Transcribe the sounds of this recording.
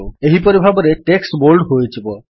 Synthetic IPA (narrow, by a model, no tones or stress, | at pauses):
eɦipoɾibʱabɔɾeʈeksʈboɾlɖɦojt͡ʃʰibo